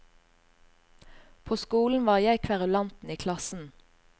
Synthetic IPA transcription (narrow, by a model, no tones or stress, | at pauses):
pʰoːskuːln̩ʋɑːʁjæɪkʰʋæʁʉlɑnt̪n̩iːkʰlɑsn̩